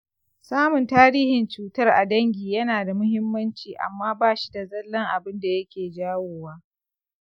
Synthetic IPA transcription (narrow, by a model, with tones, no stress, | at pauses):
saː˦mʊ˨ntaː˦ɾiː˦hɪ˨nt͡ʃuː˨tɐ˦rʔa˨dɐ˦ŋɡʲiː˨jɐ˦naː˨da˨mʊ˦hɪ˦mːɐ˦nt͡ʃiː˨ʔa̰˨mːaː˦baː˦ʃi̥˦da˨zɐ˦lːɐ˦ŋʔa˨bɪ˦nda˨jɐ˦kʲeː˨d͡ʒaː˦woː˨waː˦